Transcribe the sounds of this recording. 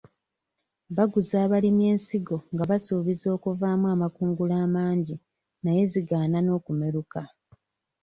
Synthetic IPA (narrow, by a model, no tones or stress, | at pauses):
βaɡuzaːβalime̞ːnsiɡo̞ŋɡaβasuːβizo̞ːkuvaːmwaːmakuːŋɡulaːmaːɲɟi | naje̞ziɡaːnano̞ːkume̞ɾuka